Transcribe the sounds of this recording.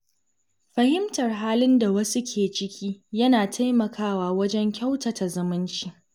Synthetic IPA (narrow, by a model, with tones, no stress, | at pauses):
ɸɐ˨hɪ˦mtɐ˨rɦaː˦lɪ˦nda˨wɐ˦su˦kʲʰeː˨t͡ʃɪ˦kʲʰiː˦jɐ˦naː˨tʰa˦jmɐ˨kʰaː˦waː˨wɐ˦d͡ʒɛ˦ŋkʲa˦wtɐ˨ta˨zɐ˦mɪ˦nt͡ʃi˨ʔ